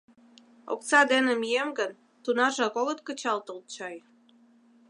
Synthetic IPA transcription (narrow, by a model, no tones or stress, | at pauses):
o̰k̚t͡sɑd̪enemijemɡən | t̪unɑʒɑkoɣət̪̚kət͡ɕɑlt̪əlt̪̚t͡ɕɑj